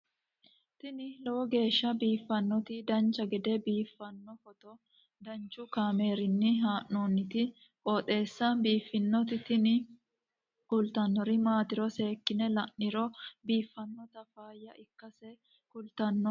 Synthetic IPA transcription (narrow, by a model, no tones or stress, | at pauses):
t̪ɪnɪlɔwɔɡe̞ːʃːɐbiːfːɐnːɔt̪ɪd̪ɐnt͡ʃːɐɡɛd̪ɛbiːfːɐnːɔfɔt̪ɔ | d̪ɐnt͡ʃːʊkaːme̞ːɾɪnːɪɦaːʔːoːnːɪt̪ɪ | kʼoːt̪ʼe̞ːsːɐbiːfːɪnːɔt̪ɪt̪ɪnɪ | kʊlt̪ɐnːɔɾɪmaːt̪ɪɾɔse̞ːkːɪnɛlɐnːɪɾɔbiːfːɐnːɔt̪ɐfaːjːɐɪkːɐsɛ | kʊlt̪ɐnːɔ